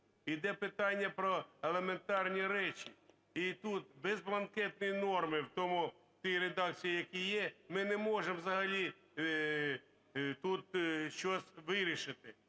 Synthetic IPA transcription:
id̪ɛpɪt̪ɑnʲːɐpɾɔelˠement̪ɑrnʲiɾɛt͡ʃi | it̪ut̪̚bɛzblˠɐnkɛt̪̚nʊjinɔrmɪwt̪ɔmʊ | t̪ɔjɾed̪ɑk̚t͡sʲijijɐkʲijɛmɪnɛmɔʒɛmʋzɐɦɐlʲi | t̪ut̪ʃt͡ʃɔsʲʋɪɾʲiʃɪt̪ɪ

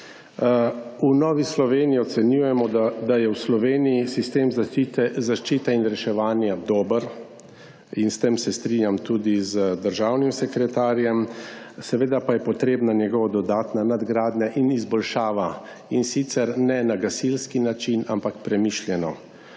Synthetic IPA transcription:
unɔːʋislɔʋeːniiɔt̪sɛnjuːjɛmɔd̪ad̪ajɛwslɔʋeːniisist̪eːmzait̪ɛzaʃt͡ʃiːt̪ɛinɾɛʃɛʋaːnjad̪ɔːbəɾ | inst̪emsɛst̪ɾinjamt̪uːd̪izəd̪əɾʒawnimsɛkɾɛt̪aːɾjɛmsɛʋeːd̪apajɛpɔt̪ɾeːbnanjɛɡɔʋɔd̪ɔd̪aːt̪nanad̪ɡɾaːd̪nɲaʔinizbɔlʃaːʋa | insit̪sɛɾnɛnaɡasilskinat͡ʃinampakpɾɛmiʃljɛnɔ

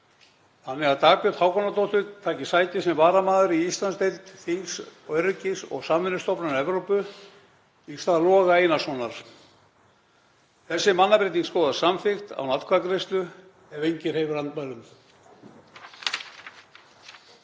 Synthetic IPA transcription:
θanːɪɣaðt̪ʰaːpjʏt̪hawkɔnat̪owht̪ʏt̪ʰaːcɪsaːjt̪ɪsɛmvaːɾamaːðʏɾiist̪lanst̪ejlt̪θiŋksœɾcɪsɔ̰ɣsamvɪnʏst̪ɔpnanɛvɾowpʏ | ist̪aðalɔːɣaejnasɔnaɾ̥ | θɛsːɪmanːapɾejt̪iŋskoːðasamfɪxt̪a̰wnat̪kʰvakɾest̪lʏ | ɛvejɲcɪɾ̥hejvʏɾant̪malʏm

